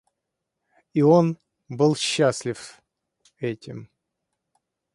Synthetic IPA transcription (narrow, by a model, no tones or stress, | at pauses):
io̞n | bɨlˠɕːasʲlʲɪf | ɛtʲɪm